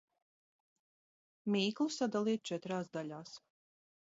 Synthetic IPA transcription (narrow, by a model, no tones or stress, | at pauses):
mʲiːklˠusad̪alˠiːt̪̚t͡ʃɛt̪ɾaːsd̪aʎʲaːs